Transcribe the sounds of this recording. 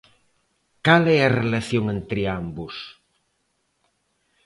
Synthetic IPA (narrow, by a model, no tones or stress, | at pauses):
kalɛɐrelaθjoŋent̪ɾɪambus